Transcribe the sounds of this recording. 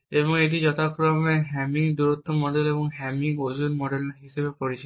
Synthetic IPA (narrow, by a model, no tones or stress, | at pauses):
eβɔŋeʈ̬id͡ʑɔt̪akɾɔmeɦɛmiŋd̪uɾot̪ːomɔɖelebɔŋɦɛmiŋod͡ʒunmɔɖelneɾɦisebepɔɽit͡ʃʰi